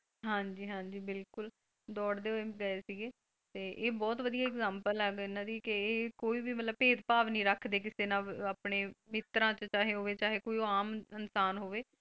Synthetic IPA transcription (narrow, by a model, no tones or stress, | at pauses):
ɦãːɲd͡ʒiːɦãːɲd͡ʒiːbɪlkʊl | d̪ɔːɽd̪eːɦoeːɡəeːsiːɡeː | t̪eːʔeːbɔːt̪ʋəd̪ijaːɛkzãːmpəlɦɛɡɪnãːd̪iːkɪeːkoːiːbiːmət̪ləbpeːd̪paːʋnĩːɾəkʰːd̪eːk̬ɪseːnãːaːpneːmɪt̪ɾãːt͡ʃət͡ʃaːɦeːɦoːʋeːt͡ʃaːɦeːkoːiːoaːmənsaːnɦoːʋeː